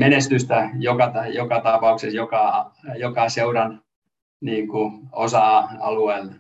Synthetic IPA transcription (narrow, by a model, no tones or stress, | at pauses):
menest̪yst̪æjokɑt̪jokɑt̪ɑpɑuksesjokɑjokɑseuɾɑn | niːŋkuosɑɑ̰lueːl